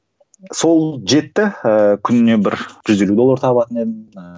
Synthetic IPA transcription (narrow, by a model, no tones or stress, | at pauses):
so̞lˠʒe̞t̪ːɪəkʲʰʏnne̞bɪɾʒ̥ʏzd̪e̞lud̪o̞lːˠɑɾt̪ʰɑbəɑt̪əne̞d̪ɪm